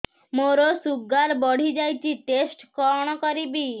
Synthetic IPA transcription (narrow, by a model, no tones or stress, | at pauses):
moɾosuɡːaɾbɔɽ̤ʱid͡ʒajt͡ʃʰiʈesʈkɔɽ̃okoɾibi